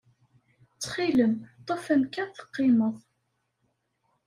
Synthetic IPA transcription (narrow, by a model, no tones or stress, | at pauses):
t͡sːχiləmt̪ˤːofæmkæθə̥qːɪməðˤ